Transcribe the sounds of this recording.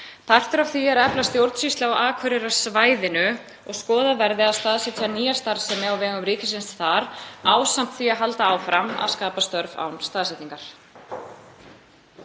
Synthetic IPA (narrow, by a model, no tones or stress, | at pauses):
pʰar̥t̪ʏɾafθiɛɾɛplast̪jowɾt̪sist̪laɔʔaːkʰvœɾɪɾḁsvaːjðɪnʏ | ɔɣskɔːðavɛɾðɪaðst̪aːðsɛt̪janiːjḁst̪aɾsɛmːɛawvɛːɣʏmɾiːcɪsɪnst̪θaɾaːwsam̥t̪θiaɦalt̪aːwfɾama̰ðskaːpast̪œɾva̰wnst̪aːðsɛt̪iŋkaɾ̥